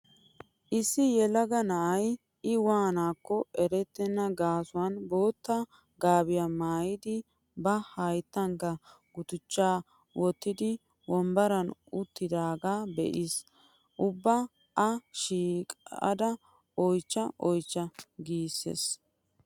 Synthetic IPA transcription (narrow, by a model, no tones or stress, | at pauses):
ʔɪsːɪjɛlɐɡɐnɐʔɐj | ɪwaːnaːkːɔɛɾɛt̪ːɛnːɐɡaːsʊwɐnboːt̪ːɐ | ɡaːbɪjamaːjɪd̪ɪ | bɐhɐjt̪ːɐŋkɐ | ɡ̥ʊt̪ʊt͡ʃːaː | wɔt̪ːɪd̪ɪ | wɔmbɐɾɐnʊt̪ːɪd̪aːɡaːbɛ̰ʔɪs | ʔʊbːɐ | ɐʃiːkʼɐ̰d̪ɐ | ɔjt͡ʃːɐʔɔjt͡ʃːɐɡiːsːḛs